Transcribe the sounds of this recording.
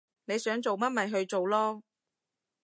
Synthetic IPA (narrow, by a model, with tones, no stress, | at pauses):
ne˨˧jsœː˨˥ŋt͡so˨wmɐ˥t̚mɐ˨jɦɵ˧ɥt͡so˨wlɔː˥